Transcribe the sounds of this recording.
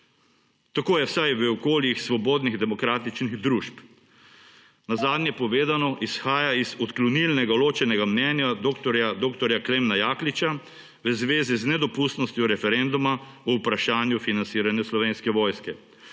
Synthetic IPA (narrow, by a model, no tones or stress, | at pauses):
t̪akoːjɛwsajʋəɔkoːljixsʋɔboːd̪niɣd̪ɛmɔkɾaːt̪it͡ʃniɣd̪ɾuʃp | nazaːd̪nʲjɛpɔʋeːd̪anɔʔisxaːjaizɔt̪klɔnilnɛɡaloːt͡ʃɛnɛɡamnɛnjad̪okt̪ɔɾjad̪oːkt̪ɔɾjaklemnajaːklit͡ʃa | ʋəzʋeːziznɛd̪ɔpust̪nɔst̪jɔɾɛfɛɾɛnd̪umaɔwpɾaʃaːnjufinantsiːɾanjɛslɔʋeːnskɛʋɔːjskɛ